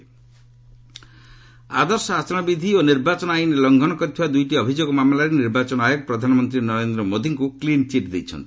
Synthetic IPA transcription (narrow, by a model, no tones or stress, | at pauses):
ad̪ɔɾsɔasɔ̃ɔbid̪ʱioniɾbat͡ʃɔnajinelɔŋɡʱɔnɔkɔɾit̪ʰiwad̪ujʈiɔbʱid͡ʒoɡɔmamlaɾeniɾbat͡ʃɔnɔajɔɡ̚pɾɔd̪ʱanɔmɔnt̪ɾinɔɾend̪ɾɔmod̪ʱiŋkuklint͡ʃiʈd̪ejt͡ʃʰɔ̰nt̪i̥